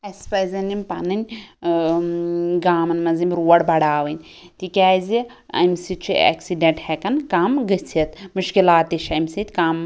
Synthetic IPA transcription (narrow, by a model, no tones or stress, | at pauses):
ɐspɐzʲɐnimpɐnɨnʲ | ɡaːmɐnmɐzimɾuːɐɽbɐɽaːʋɐnʲ | t̪ikʲaːzi | ɐ̰msit͡ʃʰiɐ̰ksiɖeɳʈhekɐnkaːmɡɐt͡sʰɐt̪muʃkilaːt̪iʃɐmsit̪ʲkaːm